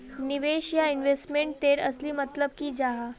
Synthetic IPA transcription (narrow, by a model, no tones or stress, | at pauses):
niʋeɕjainʋesʈmeɳʈ̚t̪eɾə̰sliːmət̪ləb̚kid͡ʒaɦa